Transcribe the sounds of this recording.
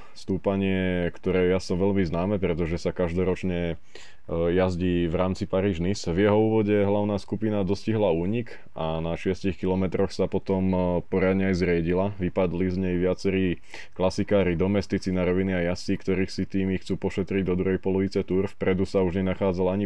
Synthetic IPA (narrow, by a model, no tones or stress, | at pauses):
st̪uːpaɲɪɛkt̪ɔɾɛːjasɔmʋɛʎmiznaːmɛpɾɛt̪ɔʒɛsakaʒd̪ɔɾɔt͡ʃɲɛ | jazɟiːʋɾaːmt͡sipaɾiːʒnisvjɛɦɔuːʋɔɟɛɦlaʊnaːskupinad̪ɔsciɦlauːɲik | ʔanaʃɪɛscixkilɔmɛt̪ɾɔxsapɔt̪ɔmpɔɾad̪ɲɛajzɾɪɛɟilaʋipad̪lizɲɛjʋɪat͡sɛɾiː | klasikaːɾid̪ɔmɛst̪it͡sinaɾɔʋiniajast͡sikt̪ɔɾiːxsit̪iːmixt͡suːpɔʃɛt̪ɾiɟd̪ɔd̪ɾuɦɛjpɔlɔʋit͡sɛt̪uːɾfpɾɛd̪usauʒɲɛnaxaːd͡zalaɲi